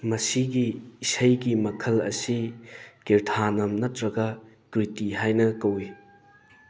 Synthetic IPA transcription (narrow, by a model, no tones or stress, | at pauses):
mɐsiɡiːsɐjɡimɐkʰɐlɐ̰sikeɾtʰanɐmnɐtɾɐɡɐ | kɾitiɦajnɐkɐwi